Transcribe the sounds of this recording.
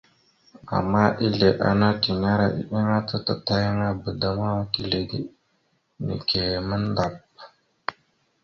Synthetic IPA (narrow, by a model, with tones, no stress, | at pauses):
a̰˨mːa˦ʔi˦ɮe˨ʔa̰˦na˦ti˨na˦ɾa˨ʔḭ˨ɗi˦ŋa˦tə˦tə˦ta˦ji˦ŋa˦bə˨da˨ma˦wa˦ki˦ɮe˨dḭ˦ | nḭ˨kʰe˨mə˦n˦da˨p̚